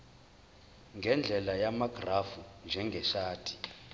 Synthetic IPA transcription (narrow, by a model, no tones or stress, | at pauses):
ŋɡʱɛnd͡ɮʱɛlajamaɡ̥ʱrafund͡ʒʱɛŋɡʱɛʃaːtʰʼi̥